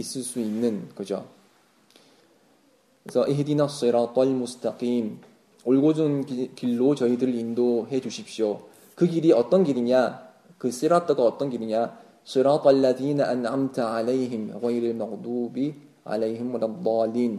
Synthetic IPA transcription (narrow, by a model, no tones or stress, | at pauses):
is͈ɯɭs͈uinːɯnkʌd͡ʑo̰ | esʰʌʔiɦdinasɨɾɑt̪ˤlmustʰaqim | oɭɡod͡ʑunkiɭːot͡ɕʌidɯɾɯɾindoɦe̞d͡ʑuɕʰip̚ɕ͈jo | kɯɡiɾiʌt͈ʌnɡiɾiɲa | kɯs͈iɾatʰɯɡaʌt͈ʌnɡiɾiɲa | s͈ɨɾɑt̪ˤalːaðiːnaʔanʕamtʰʕalejɦimɣajɾɯɭmaɣdubi | a̰lejɦimulaðˤɑlim